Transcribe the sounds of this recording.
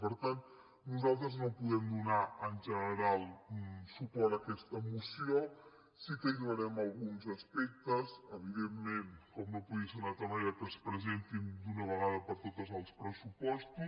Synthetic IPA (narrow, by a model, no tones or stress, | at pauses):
pəɾt̪an | nuzalˠt̪ɾəznopuðɛmd̪unaənʲʒənəɾalˠsupɔɾəkɛst̪əmusio | sikəilβəɾɛməlˠɣunzəspɛk̚t̪əsəβiðemːenkɔmnopuðisənat̪əmajakənspɾəzent̪ind̪unəβəɣaðəpəɾt̪ot̪əzəlˠspɾəsupɔst̪u